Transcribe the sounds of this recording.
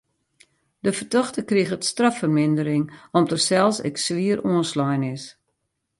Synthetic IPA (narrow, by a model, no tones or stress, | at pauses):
dəfərtɔxtəkriɣətstrafərmɪndəɾɪŋɔmdərsɛlˠsɛ̰ksʋiəɾoənslɔjnɪs